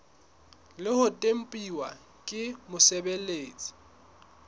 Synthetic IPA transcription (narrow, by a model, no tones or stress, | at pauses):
lɪhʊtʼem̩pʼiwa | kʼɪmʊsɛbeleːt͡sʼi̥